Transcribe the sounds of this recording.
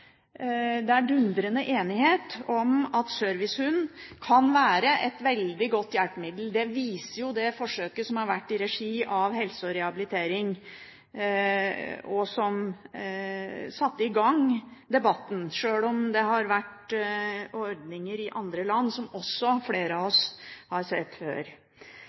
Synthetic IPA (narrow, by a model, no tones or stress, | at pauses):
d̪ɛæɖʉnd̪ɾənəʔeːnɪheːt̪ɔmɑt̪søɾʋɪshʉnkʰɑnʋæːɾəʔɛt̪ʋɛld̪ɪɡɔt̪ːjæpəmɪd̪l̩d̪ɛʋiːsəɾjʊd̪ɛfɔʂøːkəsɔmhɑɾʋæʈːɪɾɛʂiːʔɑʋhɛlsɔɾɛhɑbɪlɪt̪ʰeːɾɪŋ | ɔsɔm | sɑt̪ːəɪɡɑŋd̪ɛbɑt̪ːn̩ʂøːlɔmd̪ɛhɑɾʋæʈ | ɔɾɖnɪŋəɾɪʔɑnd̪ɾəlɑnːsɔmɔsːɔfleːɾəɑɔshɑɾsɛt̪ːfø̰ːɾ